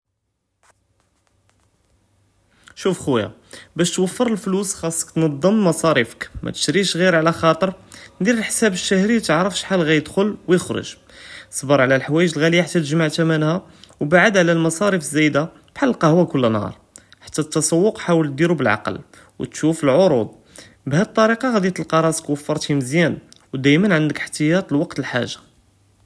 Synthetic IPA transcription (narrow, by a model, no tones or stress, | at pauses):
ʃufxuja̰ | bæʃt̪wəfːəɾəlflusxɑsˤːə̥kt̪nɑd̪ˤːəmːɑsˤɑɾifə̥kmʔæ̰t̪ə̥ʃɾiʃɣiɾʕlæxɑt̪ˤəɾˤd̪iɾəlħsæbəʃːæhɾit̪əʕɾəfʃħalɣæjəd̪xʊlwjəxɾʊ̰ʒ | sˤbəɾˤʕlælħwæjəʒəlɣælijaħat̪ːæt̪əʒmaʕt̪æmænhæ | wbaʕəd̪ʕlælmɑsˤɑɾəfəzːæjd̪a | b̥ħalːlqɑhwækʊlːnhɑ̰ɾˤħḁt̪ːæt̪ːɑsˤɑwːʊqħawəl̚d̪iɾubəlʕa̰qə̰l | wt̪ʃufəlʕoɾud̪̚ˤ | bhæd̪̚t̪ˤːɑɾiqɑɣæd̪jæt̪əlqɑɾˤɑskwəfːɑɾˤt̪himəzjænwd̪æjmənʕənd̪əkəħt̪əjɑt̪ˤlwɑqt̪əlħa̰ʒːḁ